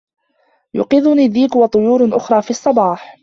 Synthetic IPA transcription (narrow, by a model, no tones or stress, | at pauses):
jʊ̰qɪðʊniːðiːkwɑt̪ˤʊjuːɾʔʊxɾˤɑːfiːɑsˤːɑbɑːħ